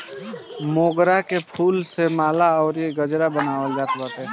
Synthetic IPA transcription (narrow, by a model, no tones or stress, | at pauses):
moːɡɾakepʰuːlsemaːlaɔːɾeɡəd͡ʒɾabənaːwəld͡ʒaːt̪bat̪ɦɛ